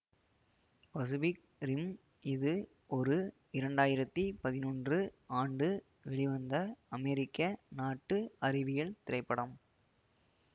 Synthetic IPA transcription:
pɐsɯbɪk | ɾɪm | ɪðɯ | ɔɾɯ | ɪɾɐɳɖaːjɪɾɐt̪ːipɐðɪnɔːndrɯaːɳɖɯ | ʋɛɭɪʋɐnd̪ɐɐmɛɾɪkːɐnaːʈːɯɐɾɪʋɪjɐɭt̪ɪɾɐɪpːɐɽɐm

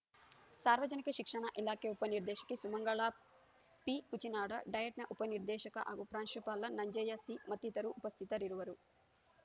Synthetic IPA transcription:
saːɾʋɐd͡ʒɐnikɐʃikʂɐɳɐʔilaːkeːupɐniɾd̪ɛːʃɐ̥kisumɐŋɡɐɭaː | pikut͡ʃinaːɽɐɖɐjɐʈnɐʔupɐniɾd̪ɛːʃɐkɐ̰ʔaːɡupɾaːnʃupaːlːɐnɐɲd͡ʒeːjɐsimɐt̪ːit̪ɐɾuʔːpɐst̪ʰit̪ɐɾiɾuʋɐɾu

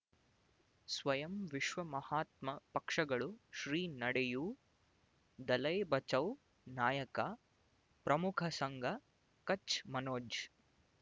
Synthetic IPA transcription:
sʋɐjɐmʋiʃʋɐmɐhaːt̪mɐpɐkʂɐɡɐɭuʃɾiːnɐɽɛju | d̪ɐlɐjbɐt͡ʃɐw | naːjɐkɐ | pɾɐmukʰɐsɐŋɡʱɐ | kɐt͡ʃmɐnoːd͡ʒ

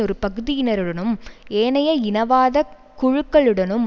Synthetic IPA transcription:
ɔɾɯpɐɣɯðɪjɪnɐɾɯɽɐnɯmeːnɐjɐɪnɐʋaːðɐ | kʊɻɯkːɐɭɯɽɐnɯm

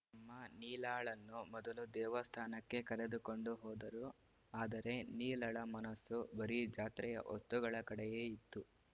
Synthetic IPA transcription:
ɐmːɐniːlaːɭɐnːumɔd̪ɐlud̪ɛːʋɐst̪ʰaːnɐkːe̞kɐɾe̞d̪uko̞ɳɖuɦɔːd̪ɐɾu | aːd̪ɐɾe̞niːlɐɭɐmɐnɐsːubɐɾid͡ʒaːt̪ɾɛjɐ̰ʔost̪uɡɐɭɐkɐɽɛje̞ːit̪ːu

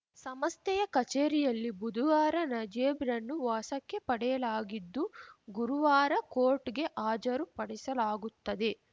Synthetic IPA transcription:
sɐmɐst̪ɛjɐkɐt͡ʃeːɾijɐlːibud̪ʱuʋaːɾɐnɐd͡ʒeːbɾɐnːuʋaːsɐkːe̞pɐɽɛjɐlaːɡid̪ːuɡuɾuʋaːɾɐkoːɾʈɡe̞ʔaːd͡ʒɐɾupɐɽisɐlaːɡut̪ːɐd̪e̞

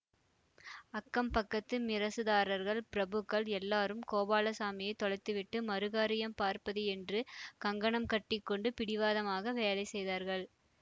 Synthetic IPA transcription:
ɐkːɐmpɐkːɐt̪ːɯmɪɾɐsɯðaːɾɐɾɣɐɭpɪɾɐbɯkːɐɭɛlːaːɾɯmkoːbaːlɐsaːmɪjɐɪt̪ːɔɻɐɪt̪ːɯʋɪʈːɯmɐɾɯɣaːɾɪjɐmpaːɾpɐðɯɛndrɯkɐŋɡɐɳɐmkɐʈːɪkːɔɳɖɯpɪɽɪʋaːðɐmaːɣɐʋeːlɐɪsɛjðaːɾɣɐɭ

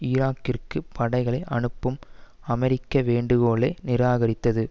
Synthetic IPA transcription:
ɪɾaːkːɪrkɯpɐɽɐɪɣɐɭɐɪʔɐɳɯpːɯm | ɐmɛɾɪkːɐʋeːɳɖɯɣoːɭɐɪnɪɾaːɣɐɾɪt̪ːɐðɯ

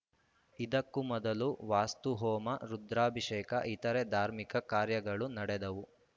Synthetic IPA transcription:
id̪ɐkːumɔd̪ɐluʋaːst̪uɦɔːmɐɾud̪ɾaːbʱiʂeːkɐ̰ʔit̪ɐɾed̪ʱaːɾmikɐkaːɾjɐɡɐɭunɐɽɛd̪ɐʋu

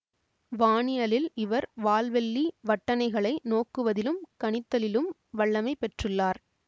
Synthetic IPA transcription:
ʋaːɳɪjɐlɪlɪʋɐɾʋaːlʋɛɭːiʋɐʈːɐnɐɪɣɐɭɐɪnoːkːɯʋɐðɪlɯmkɐɳɪt̪ːɐlɪlɯm | ʋɐɭːɐmɐɪpɛʈrɯɭːaːɾ

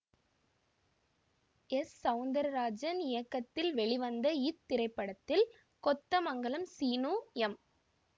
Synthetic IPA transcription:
ɛsːɐʋʊnd̪ɐɾɐɾaːd͡ʒɐnɪjɐkːɐt̪ːɪlʋɛɭiʋɐnd̪ɐɪt̪ːɪɾɐɪpːɐɽɐt̪ːɪl | kɔt̪ːɐmɐŋɡɐɭɐmsiːnuːɛm

